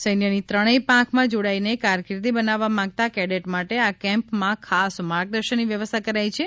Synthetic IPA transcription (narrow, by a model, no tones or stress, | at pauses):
səjnjənit̪ɾəɽ̃epãkʰmãd͡ʒoɽainekaɾkɾit̪ibənaʋːamãɡ̚t̪akɛɽeʈmaʈeakɛ̃mpmãkʰasmaɾɡ̚d̪əɾʃənːiʋjəʋəst̪ʰakəɾajt͡ʃʰe